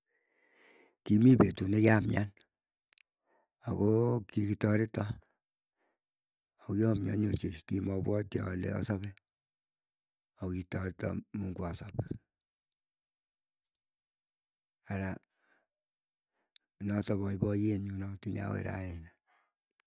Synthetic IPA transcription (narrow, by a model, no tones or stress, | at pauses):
kimibetunekamjan | akokikitɔɾitɔ | okiɔmja̰ɲot͡ʃekimɔbwɔtja̰lḛɔ̰sɔβe | ɔkitɔɾitɔ̰muŋɡwɔsɔp | aɾa | nɔtɔβɔibɔjenɲunɔtilia̰wḛɾa̰ena